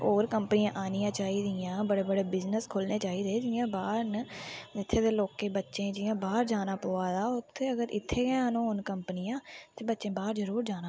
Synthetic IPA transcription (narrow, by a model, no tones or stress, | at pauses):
oːɾkəmpnɪjãːʔaːnɪjãːt͡ʃaːiːd̪ɪjãːbəɽeːbəɽeːbɪznəskʰʊlneːt͡ʃaːiːd̪eːd͡ʒɪjãːbaːɾnəɪt̪ʰːeːd̪eːloːkeːbətːʃẽːd͡ʒɪːãːbaːɾd͡ʒaːnaːpoːaːd̪aːʊt̪ʰːeːəɡəɾʔɪ̰t̪ʰːeːɡɛãːnõːʊnkəmpnɪjãːt̪eːbətːʃẽːbaːɾzəɾuːɾd͡ʒaːnaː